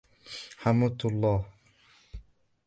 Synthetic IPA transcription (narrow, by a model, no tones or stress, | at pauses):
ħamut̪lˤːɑːh